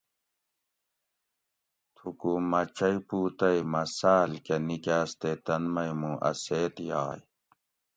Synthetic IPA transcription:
t̪ʰukuːmːɐt͡ɕɐipuːt̪ɐjmɐsaːlkenikaːst̪et̪ɐnmɐjmũʔɐ̰seːt̪jaːj

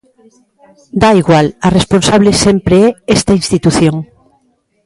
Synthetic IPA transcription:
d̪aiɣwalaresponsaβ̞lesempɾeɛest̪ɐinst̪it̪uθjoŋ

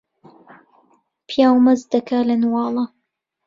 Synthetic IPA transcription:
pjaːwmazd̪akalanwɑːlɑ

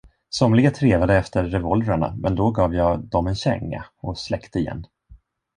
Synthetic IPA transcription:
sɔmlɪɡat̪ʰɾeːvad̪əɛft̪əːɛvɔlvɾaɳa̰mʔɛnd̪ɔɡɑːvjɑːd̪ɔmɛnɕɛ̰ŋːa̰ɔslɛkt̪əɪjɛ̰nː

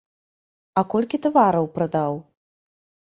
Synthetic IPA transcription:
ɐkɔlʲkʲit̪avaɾɐwpɾɐd̪aw

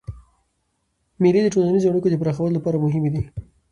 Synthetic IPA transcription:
milid̪əʈolanizoaɽukod̪əpɾaxawəlolapɑɾamʊɦɪmed̪i

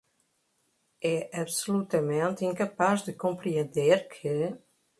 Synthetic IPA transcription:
ɛʔabsolut̪amɛ̃nt̪ĩŋkapasd̪əkõmpɾiənd̪eɾkʰə

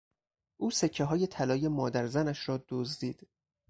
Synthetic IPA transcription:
ʔuːsecʰːeɦɒːje̞t̪ʰælɒːje̞mɒːd̪æɾzænæʃɾɒːd̪̥ozd̪iːd̪̥

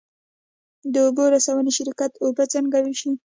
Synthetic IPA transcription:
d̪əoboɾasawəneʃɪɾkat̪obat͡səŋɡawiʃi

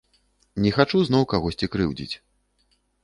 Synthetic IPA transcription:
nʲɛxat͡ʂuznɔwkaɣɔsʲt͡sʲikɾɨwd͡zʲḭt͡sʲ

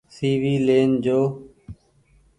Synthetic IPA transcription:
siːʋiːleːnd͡ʒoː

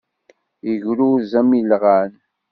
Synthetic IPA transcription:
jəʝɾuzæmilʁan

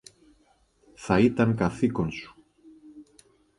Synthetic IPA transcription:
θait̪aŋkaθikonsu̥

